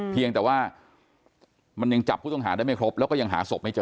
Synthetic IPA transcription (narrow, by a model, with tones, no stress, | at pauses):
pʰi˧əŋt̪ɛː˨˩waː˥˩ | ma˧nja˧ŋt͡ɕa˨˩pʰuː˥˩t̪ɔ˥˩ŋɦaː˩˦da˥˩ma˥˩kʰɾo˦˥p̚lɛː˦˥wkɔː˥˩ja˧ŋɦa̰ː˩˦so˨˩p̚ma˥˩jt͡ɕɤː˧